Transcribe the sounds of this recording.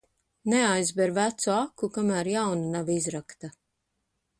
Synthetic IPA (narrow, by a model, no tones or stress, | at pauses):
neajzbɛɾvæt̪suakukamæːɾjawnunavizɾakt̪a